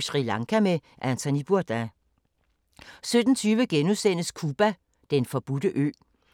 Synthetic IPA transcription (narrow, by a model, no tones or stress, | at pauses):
sʁilɑ̈ŋkʰæme | ʔænt͡sʰonib̥uɐd̥æ | sød̥n̩t͡sʰyːʋəɡ̥enusen̰əskʰuːb̥æ | d̥enfɒ̽b̥ud̥əʔø̰ː